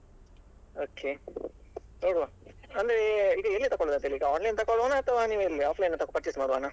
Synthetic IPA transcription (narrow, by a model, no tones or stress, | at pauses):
oːkʰe | noːɽuʋa | ɐnd̪ɐɾeiːɡɐelːit̪ɐkːɔɭd̪ɐnt̪eliːɡɐaːɳlejnt̪ɐkːɔɭanaːt̪ɐʋaːniːʋuelːiaːpʰlɐjnːɐt̪ɐkopɐɾʈt͡ʃismaːɽuʋaːna